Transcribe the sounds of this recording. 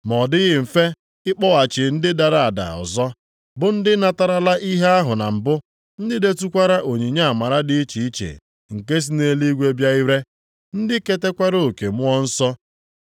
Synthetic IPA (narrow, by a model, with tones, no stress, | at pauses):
mɔ˨dɪ˦ɣɪ˦m̩˨fe˦ | ɪ˦k͡pɔ˦wa˨t͡ʃɪ˨n̩˦dɪ˦da˨ɾa˨a˨da̰˨ɔ̰˨zɔ˦ | bʊ˨n̩˦dɪ˦na˦ta˨ɾa˦la˦ʔi˦ɦe˦a˦ɦʊ˨na˨m̩˨bʊ˦ | n̩˦dɪ˦de˦tu˦kʷa˦ɾa˦ʔo˨ɲi˨ɲa˦a˨ma˨ɾa˦dɪ˦i˦t͡ʃi˨i˦t͡ʃḛ˨ | ŋ̩˨ke˦s̬i˦ne˦li˦ɡʷe˦bja˦i˦ɾe˦ | n̩˦dɪ˦ke˦te˦kʷa˦ɾo˦˨ke˨mʊ˦ɔ˦n̩˦sɔ˦